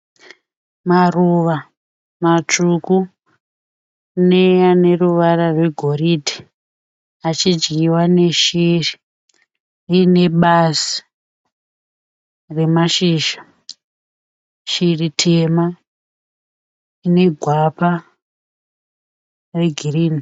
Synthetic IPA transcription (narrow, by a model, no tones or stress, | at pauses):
maruʋa | mat͡ʂuku | neane̞ruʋaɾarwe̞ɡʱo̞ridʱi | at͡ʃid͡ʒɡiwane̞ʃiri | ine̞ɓasi̥ | re̞maʃiʃa | ʃiritʰema | ine̞ɡʱwapa | re̞ɡʱiriːni